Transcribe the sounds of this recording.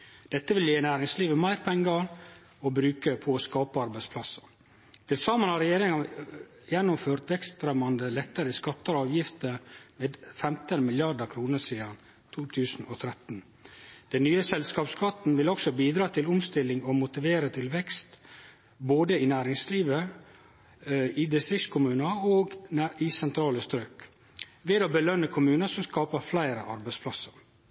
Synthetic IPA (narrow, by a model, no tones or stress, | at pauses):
d̪̥ɛt̪ːəʋɪljeːnæːɾɪŋsliːʋəmæɪɾpʰɛŋɡɑ | ɔbɾʉːkəpʰɔskɑːpəɑɾbæɪspʰlɑsə | t̪ʰɪlsɑmənhɑɾɛjeːɾɪŋɑ | jɛnːʊmføːɾt̪ʋɛkst̪ɾɛmɑnd̪əlɛt̪ːəɾəskɑt̪ːəɾɑːʋjɪft̪əɾmeːd̪fɛmt̪ənmɪljɑɖəkʰɾuːnəʂiːd̪ɑn | t̪ʰuːt̪ʰʉːsn̩ɔt̪ʰɾɛt̪n̩ | d̪̥ɛnːyːəsɛlskɑːpskʰɑt̪n̩ʋɪlɔksɔbiːd̪ɾɑːt̪ʰɪlʊmst̪ɪlːɪŋɔmʊt̪ɪʋeːɾət̪ʰɪlʋɛkst̪ | boːd̪əɪnæːɾɪŋsliːʋə | ɪd̪ɪst̪ɾɪkskʰʊmʉːnəoːɡɪsɛnt̪ʰɾɑːləst̪ɾøːk | ʋeːd̪oːbəlœnəkʰʊmʉːnəsɔmskɑːpəɾflæɪɾəʔɑɾbæɪspʰlɑsəɾ